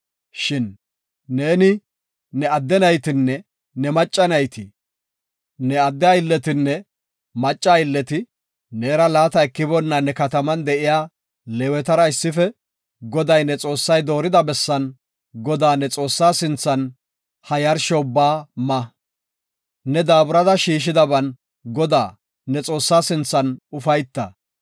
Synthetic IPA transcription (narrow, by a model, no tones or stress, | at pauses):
ʃɪnː | e̞ːnɪ | nɛɐd̪ːɛnɐjt̪ɪnːɛ | nɛmɐt͡ʃʼːɐnɐjt̪ɪ | nɛɐd̪ːɛaɪlːɛt̪ɪnːɛ | mɐt͡ʃʼːaːɪlːɛt̪ɪ | neːɾɐlaːt̪ɐɛkːɪbɔnːɐnɛkɐt̪ɐmɐnd̪ɛʔɪjaː | lɛwɛt̪ɐɾɐɪsːɪfɛ | ɡɔd̪ɐjnɛt͡sʼo̞ːsːɐjd̪o̞ːɾɪd̪ɐbɛsːɐn | ɡɔd̪aːnɛt͡sʼo̞ːsːaːsɪnt͡sːɐn | hɐjɐɾʃɔʊbːaːmɐ | nɛd̪aːbʊɾɐd̪ɐʃiːʃ̬ɪd̪ɐbɐn | ɡɔd̪aː | nɛt͡sʼo̞ːsːaːsɪnt͡sːɐnʊfɐjt̪ːɐ